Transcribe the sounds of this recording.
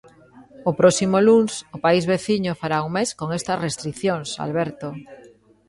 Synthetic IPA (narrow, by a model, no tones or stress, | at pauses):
opɾosimolunsopaizβeθiɲofaɾauŋmeskoŋest̪ɐzrest̪ɾiθjoŋsa̰lβ̞eɾt̪o